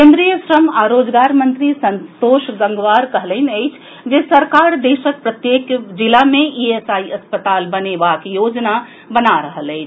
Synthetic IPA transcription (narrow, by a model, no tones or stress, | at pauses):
kẽnd̪ɾijəsɾəmaɾod͡ʒɡaɾmənt̪ɾisənt̪oʃɡəŋɡʋaɾkəɦləɪnəjt͡ʃʰ | d͡ʒesəɾkaɾd̪esək̚pɾət̪jekd͡ʒilameʔiesaiəspət̪albənebakejod͡ʒna | bənaɾəɦələɪt͡ʃʰ